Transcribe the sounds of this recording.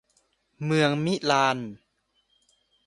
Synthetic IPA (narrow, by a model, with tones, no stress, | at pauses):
mɯ˧əŋmi˦˥ʔlaː˧n